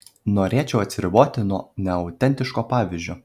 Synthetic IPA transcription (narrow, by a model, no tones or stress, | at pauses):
noːɾʲeːt͡ʃʲɛʊɐt̪ʲsʲɾʲɪboːt̪ʲɪnuɔnʲɛɐʊt̪ʲɛnʲt̪ʲɪʃkoːpɑːʋʲɪzʲd͡ʒʲoː